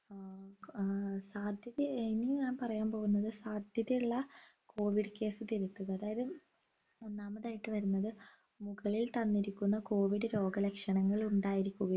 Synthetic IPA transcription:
saːd̪ʱjɐðiiniɲaːnpɐrɐjaːnpo̞ːɣunːɐðɨsaːd̪ʱjɐðɐjuɭːɐkʰo̞ːʋiɽke̞ːsɨt̪iɾut̪ːuɣɐːðaːjɐðɨ | onːaːmɐðaːjiʈːɨʋɐɾunːɐðɨ | muɣɐɭilt̪ɐnːiɾikʲːunːɐko̞ːʋiɽɨɾo̞ːɡɐlekʂɐɳɐŋːɐɭuɳɖaːjiɾikʲːuɣɐ

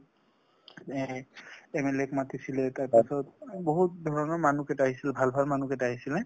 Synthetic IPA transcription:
ɛmɛlɛkmatisilɛtaasɔtboɦut̚dʱɔɹɔnɔɹmanukɛtaaɦisilɛbʱalbʱalmanukɛtaaɦisilɛ

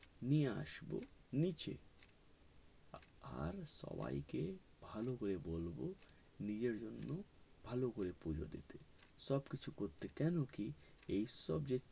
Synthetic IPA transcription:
nijea̰ʃbo̰nit͡ɕḛ | a̰ɾʃɔ̰ba̰jke | bʱalokoɾebolbo | nid͡ʑeɾd͡ʑonːobʱalokoɾepud͡ʑo̰d̪ḭt̪eʃɔbkit͡ɕʰukoɾt̪ekɛnokiejʃɔbd͡ʑe

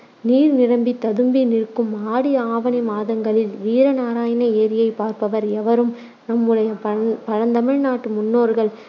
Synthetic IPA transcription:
niːɾnɪɾɐmbit̪ːɐðɯmbinɪrkːɯmaːɽɪaːʋɐnɪmaːðɐŋɡɐɭɪlʋiːɾɐnaːɾaːjɐnɐeːɾɪjɐɪpaːɾpɐʋɐɾɛʋɐɾɯm | nɐmːɯɭɐjɐppɐɻɐnd̪ɐmɪɻnaːʈːɯmʊnːoːɾɣɐɭ

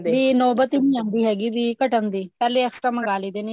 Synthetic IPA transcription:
biːnɔːbət̪iːnĩːãːnd̪iːɦɛːɡiːbiːkəʈənd̪iːpɛːleːəksʈɾəmə̃ɡaːliːd̪eːne

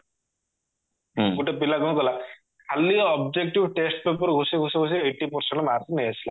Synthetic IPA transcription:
kuʈepilaɡɔukɔla | kʰaliɔɔbd͡ʒek̚ʈiʋʈesʈ̚pepəɾɡʱosiɡʱosiɡʱos̬iəjʈːipɔɾseɳʈɔmaɾt̪inejasila

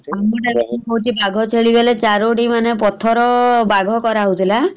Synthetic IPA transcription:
amuʈabesikɔɦut͡ʃʰibaɡʱɔt͡ʃʰeɭibelet͡ʃaɾoʈimanepɔt̪ʰɔɾɔbaɡʱɔkɔɾaɦut̪ʰila

